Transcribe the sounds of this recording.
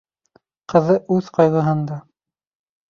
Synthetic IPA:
qɤ̆ðɤʔʉðqɑjʁɤ̆ɦɤ̆nd̪ɑ

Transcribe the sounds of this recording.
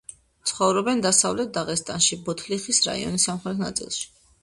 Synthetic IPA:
t̪sʰχɔvɾɔbɛnd̪asavlɛt̪̚d̪aʁɛst̪ʼanʃibɔt̪ʰliχisɾa̰ḭɔ̰nisamχɾɛt̪ʰna̰t̪sʼḭlˠʃi̥

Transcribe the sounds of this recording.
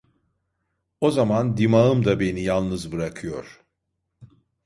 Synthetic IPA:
o̞zamand̪imaɯmd̪abe̞nijalˠnɯzbɯɾakʰɯjo̞̰ɾ̥

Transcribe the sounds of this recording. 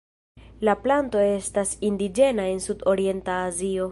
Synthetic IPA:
laplanto̞e̞stasindid͡ʒe̞nae̞nsudo̞ɾie̞ntaːzio̞

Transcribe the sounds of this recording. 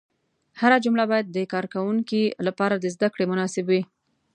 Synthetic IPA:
haɾad͡ʒumlabɑjad̪̚ːəkɑɾkawuŋkilapɑɾad̪əzd̪akɽemʊnɑsɪbwi

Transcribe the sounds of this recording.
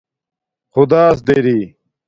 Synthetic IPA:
χʊd̪aːs̬d̪eɾiː

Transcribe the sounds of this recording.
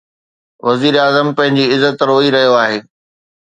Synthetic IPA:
ʋɐziːɾeaːzəmpɐ̃ɦɪ̃ɲd͡ʑiɪzːət̪ɾoːiɾɐɦijoaːɦeː

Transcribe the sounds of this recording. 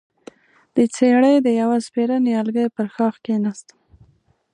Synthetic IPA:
d̪̥ət͡seɽəjd̪əjawaspeɾaneɑlɡəjpəɾxɑxkenast̪

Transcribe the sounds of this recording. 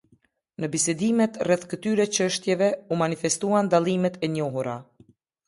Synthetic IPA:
nəbisɛd̪imɛt̪rɛθkət̪yɾɛt͡ʃəʃt̪jɛvɛumanifɛst̪uand̪alˠimɛt̪ɛɲɔɦuɾa

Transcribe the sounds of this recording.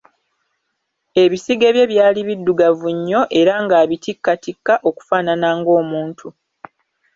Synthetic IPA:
e̞βisiɡe̞ːβje̞βjaːliβidːuɡavuɲːo̞ʔe̞ɾaŋɡaːβitikːatikːaʔo̞ku̥faːnanaːŋɡo̞ːmuːntʰu

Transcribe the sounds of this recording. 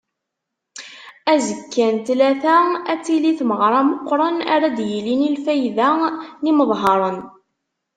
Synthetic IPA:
æzəkːænt̪læθææt͡sːiliθməʁɾˤɑmoqːɾˤɑnæ̰ɾæd̪jilinilfæjðæniməðˤɦɑɾˤən

